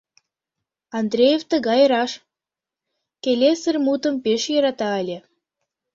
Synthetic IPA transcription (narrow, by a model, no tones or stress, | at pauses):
ɑnd̪ɾʲejeft̪ə̆ɣɑjɾɑʃ | kelʲesərmut̪ə̆mpeʃjɑɾɑt̪ɑælʲe